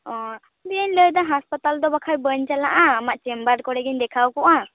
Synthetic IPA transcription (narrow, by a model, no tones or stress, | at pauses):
ɔ̃ | b̪iəɲləjd̪aɦaspat̪ald̪ɔbakʰajbəɲt͡ʃalaʔaːmaʔt͡ʃɛmbəɾkɔɽɛɡiɲd̪ɛkʰawkɔʔa